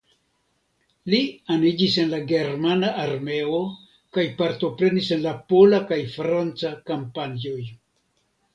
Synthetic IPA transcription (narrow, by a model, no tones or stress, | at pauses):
lianid͡ʒise̞nlaɡe̞ɾmanaʔːɾme̞o̞ | kajpaɾto̞pɾe̞nise̞nlapo̞lakajfɾant͡sakampanoj